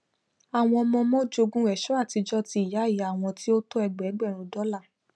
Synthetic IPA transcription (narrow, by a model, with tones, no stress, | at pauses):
a˨w̃ɔ̃˧ɔ˧mɔ̃˧mɔ̃˦d͡ʒo˧ɡũ˦ɛ˨ʃɔ˦a˦˨ti˧d͡ʒɔ˦ti˧i˨ja˨˦˨i˨˦a˦˨w̃ɔ̃˧ti˦o˦to˦ɛ˧ɡ͡bɛ˨˦ɡ͡bɛ˦˨ɾ̃ũ˧˦dɔ˨˦la˦˨